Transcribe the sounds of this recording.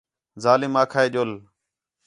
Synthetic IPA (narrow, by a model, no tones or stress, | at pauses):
zaːlɪmaːkʰaːeːʄoːl